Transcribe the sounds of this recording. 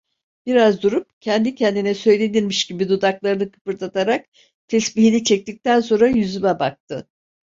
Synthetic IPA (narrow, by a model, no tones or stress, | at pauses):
b̥iɾazd̪uɾup̚cʰɛnd̪icʰɛnd̪inɛsø̞jlʲe̞niɾmiʃɟibid̪ud̪aklˠaɾɯnɯkʰɯ̥pɯɾt̪ʰat̪ʰaɾak | t̪ʰɛsbiɦinit͡ʃʰɛc̚t̪ic̚t̪ænso̞nɾajyzymɛbak̚t̪ʰɯ